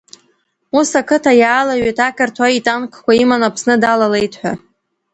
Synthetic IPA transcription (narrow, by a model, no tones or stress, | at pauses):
usakʰɨtʰajaːlaɥejtʰakʰʼartʰwaitʼankʷʰkʷaimanapʰsnɨdalale̞jtʰħʷᶣa̰